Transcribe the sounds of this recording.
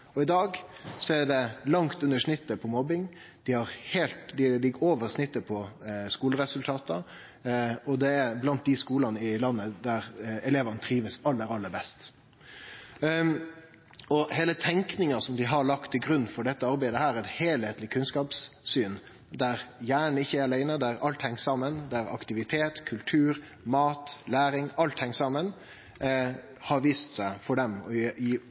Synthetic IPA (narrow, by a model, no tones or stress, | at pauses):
ɔɪd̪ɑːɡsɔæɖɛlɑŋt̪ʉnːəʂnɪt̪ːəpʰɔmɔbɪŋ | d̪̥ɪhɑɾheːlt̪d̪ɪlɪɡəɾoːʋəɾsnɪt̪ːəpʰɔskuːləɾɛsʉlt̪ʰɑːt̪ʰə | ɔd̪ɛæblɑnt̪̚d̪ɪskuːlɑnəɪlɑnːəd̪æɾɛleːʋɑnət̪ʰɾiːʋəsɑlːəɾɑlːəɾbɛst̪ | ɔheːlət̪ʰɛŋknɪŋɑsɔmd̪ɪɦɑɭɑkt̪ʰːɪlɡɾʉnːfɔɖɛt̪ːəɑɾbæɪd̪əhæːɾɛɪt̪heːlheːt̪lɪkʰʉnskɑːpsːyːn | d̪æɾjæːɳɪçːəæɾɑlæɪnəd̪æɾɑlt̪hɛŋːsɑmːənd̪æɾɑ̰kt̪ɪʋɪt̪ʰeːt̪kʰʉlt̪ʰʉːɾ | mɑːt̪læːɾɪŋɑlt̪hɛŋːsɑmən | hɑɾʋiːst̪sæɪfɔɖɛmɔ